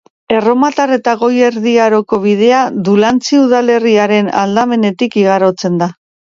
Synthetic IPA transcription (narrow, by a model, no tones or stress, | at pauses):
e̞ro̞mat̪are̞t̪aɣo̞je̞ɾðiaɾo̞ko̞β̞ið̞e̞aðulant͡siuð̞ale̞riaɾe̞na̰ld̪ame̞ne̞t̪ikiɣ̞aɾo̞t͡se̞nd̪a